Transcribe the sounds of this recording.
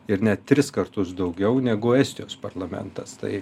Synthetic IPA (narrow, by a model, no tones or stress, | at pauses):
ɪɾnʲɛt̪t̪ʲɾʲɪskɐɾt̪ʊsd̪ɒʊɡʲɛʊnʲɛɡʊɛsʲt̪ʲɪjoːspɐɾlˠɐmʲɛ̰nt̪ɐst̪ɐ̰ɪ